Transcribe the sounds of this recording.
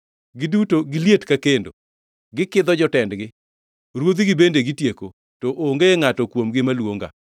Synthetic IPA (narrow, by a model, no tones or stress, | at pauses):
ɡɪdutoɡɪljetkakendo | ɡɪkɪd̪ɔd͡ʒɔtɛndɡɪ | ɾwod̪iɡɪbendeɡɪtjeko | tɔʔoŋɡeŋatɔkwomɡɪmalwoŋɡa̰